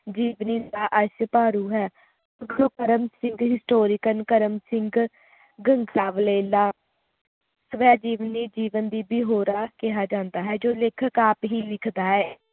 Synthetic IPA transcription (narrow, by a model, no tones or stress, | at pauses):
d͡ʒiːʋnĩːnd̪aːʔəʃpaːɾuːɦɛː | əɡloːkəɾəmsɪ̃ŋɡɦɪsʈoːɾɪkənkəɾəmsɪ̃ŋɡ | ɡəŋɡsaːʋleːlaː | səʋɛːd͡ʒiːʋənːiːd͡ʒiːʋənd̪iːbiːɦoːɾaːkɪɦaːd͡ʒãːnd̪aːɦɛːd͡ʒoːlekʰəkaːpɦiːlɪkʰd̪aːɛː